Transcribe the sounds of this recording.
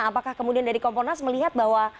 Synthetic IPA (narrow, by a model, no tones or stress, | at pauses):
apakahkəmudiandaɾikɔmponasməliɦat̪̚baɦwa